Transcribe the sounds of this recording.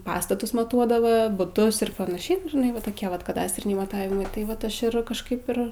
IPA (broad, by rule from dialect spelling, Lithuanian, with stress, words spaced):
ˈpɑːstɐtʊs mɐˈtuɔdɐʋɜ bʊˈtʊs ɪr pɐnɐˈʃʲɛɪ nʊ ʒʲɪˈnɐɪ ʋɐ toːˈkʲiɛ ˈʋɐt kɐˈdɑːsʲtʲrʲɪnʲɛɪ mɐˈtɑːʋʲɪmɐɪ tɐɪ ˈʋɐt ˈɐʃ ɪr kɐʃˈkɐɪp ɪr